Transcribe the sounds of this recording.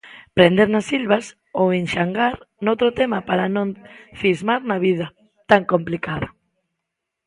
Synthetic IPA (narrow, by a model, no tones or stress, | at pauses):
pɾend̪eɾnasilβas | owenʃaŋɡaɾnowt̪ɾot̪emapaɾanõɱfizmaɾnaβið̞ɐ | t̪aŋkomplikaðɐ